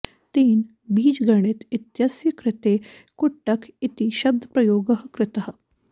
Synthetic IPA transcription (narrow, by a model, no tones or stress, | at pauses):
t̪iːn | biːd͡ʒɡəɳ̃et̪it̪jasjəkɾɪt̪e | koʈːakʰit̪iɕɐb̚d̪ʱəpɾɐjoːɡəɦkɾɪt̪aɦ